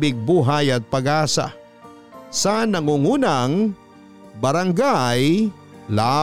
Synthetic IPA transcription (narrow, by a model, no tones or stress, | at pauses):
bɪɡ̚buɦaːjɐt̪̚pɐɡaːsa̰ | sanɐŋuŋunaŋ | bɐɾaŋɡaj | la